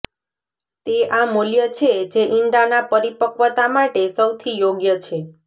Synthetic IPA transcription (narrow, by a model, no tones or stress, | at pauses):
t̪eʔamoljət͡ʃʰed͡ʒeʔiɳɖanapəɾipəkʋət̪amaʈesəwt̪ʰijoɡjət͡ʃʰe